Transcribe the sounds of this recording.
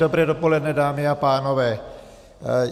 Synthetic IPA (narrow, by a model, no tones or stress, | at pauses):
obɾɛːdopolɛd̪nɛdaːmiapaːnɔʋɛː